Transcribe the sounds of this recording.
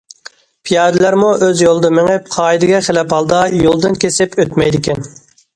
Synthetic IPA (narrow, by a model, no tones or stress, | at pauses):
pʰijɑːd̪ɪlæɾmuʔøzjolˠd̪ɨmɪŋɪp̚qʰɑːid̪ɪɡʲɛχɪlɛphɑlˠd̪ɑjolˠd̪ɨnkʲʰesɪpøt̪mɛjd̪ɪkʲʰɛn